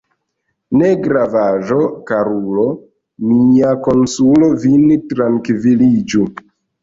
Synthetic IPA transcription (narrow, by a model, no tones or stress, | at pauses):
ne̞ɡɾavaʒo̞kaɾulo̞ | miako̞nsulo̞vintɾaŋkvilid͡ʒu